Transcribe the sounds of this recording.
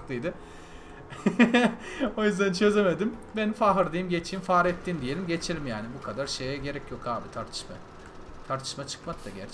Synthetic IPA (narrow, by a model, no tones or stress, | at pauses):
kt̪ʰɯjd̪ɯ | o̞jyzd̪ænt͡ʃʰø̞ze̞me̞d̪imbenifaɦɯɾd̪ɯjimɟet͡ʃʰiːmfaːɾɛt̪ːiːnd̪ije̞lʲimɟe̞t͡ʃʰelʲimjaːnibukʰad̪aɾʃe̞jɛɟe̞ɾɛcjo̞kʰaːbit̪ʰaɾt̪ʰɯ̥ʃma | t̪ʰaɾt̪ʰɯ̥ʃmat͡ʃʰɯ̥kmak̚t̪aɟæ̰ɾt͡ʃ